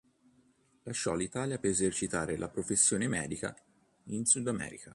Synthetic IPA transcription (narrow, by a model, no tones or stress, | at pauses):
laʃːɔlːit̪aːljapeɾezert͡ʃit̪aːɾelʔapɾofesːjoːnemɛ̰ːd̪ika̰ | insud̪amɛ̰ːɾḭka